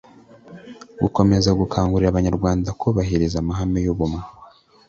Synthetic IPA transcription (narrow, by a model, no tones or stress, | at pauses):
ɡuko̞me̞zaɡukʰaːŋɡuɾiɾaβaɲaɾɡwaːndakuβaɦiɾizamaɦamejuβume